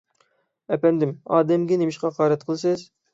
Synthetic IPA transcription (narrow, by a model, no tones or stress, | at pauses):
ɛpɛnd̪ɪmɑːd̪ɛmɡʲɛnemɪʃqɑqʰɑːɾɛt̪̚qʰəlˠsɨz